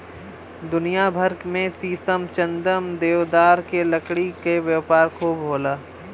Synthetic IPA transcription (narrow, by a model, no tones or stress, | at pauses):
d̪ʊnijabʱəɾkmẽsiːsəmt͡ʃə̃nd̪əmd̪eːʋd̪aːɾkelɐkɽikeʋjəpaːɾkʰoːbɦoːlaː